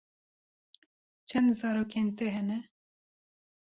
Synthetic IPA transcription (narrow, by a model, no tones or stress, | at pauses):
t͡ʃʰɛnd̪zɑːɾoːkent̪ɛɦɛnɛ